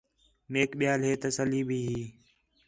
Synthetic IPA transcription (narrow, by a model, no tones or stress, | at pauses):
meːkɓɪjaːlɦeːt̪əsəliːbʱiːɦiː